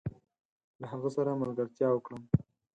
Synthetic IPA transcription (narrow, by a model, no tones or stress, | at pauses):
laɦaɣəsaɾamalɡəɾt̪jɑwəkɽəm